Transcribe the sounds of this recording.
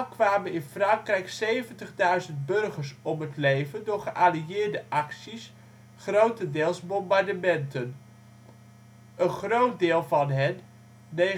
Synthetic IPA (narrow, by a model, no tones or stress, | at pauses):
kʋaːmənɪnfrɑŋkrɛjksejvəntəχdœɥzənt̚bɵrχəɹsɔmɦətlejvəndʊːɹχəʔaːliɪːɹdəʔɑksis | χrowtəndɪːlˠsbɔmbaɹdəmɛntən | ʔənχrowt̚dɪːlˠvɑnɦɛnː | e